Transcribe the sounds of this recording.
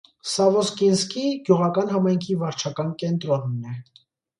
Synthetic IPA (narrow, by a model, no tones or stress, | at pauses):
sɑvɔskinskiɡjuʁɑkɑnɦɑmɑjŋkʰivɑɾt͡ʃʰɑkɑnkɛnt̪ɾɔnːɛ